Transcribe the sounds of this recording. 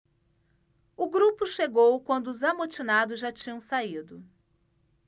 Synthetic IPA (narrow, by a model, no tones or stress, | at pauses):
ʊɡɾupʊʃeɡowkwɐ̃nd̪ʊːzamot͡ʃinad̪ʊzʒat͡ʃĩɲɐ̃w̃said̪ʊ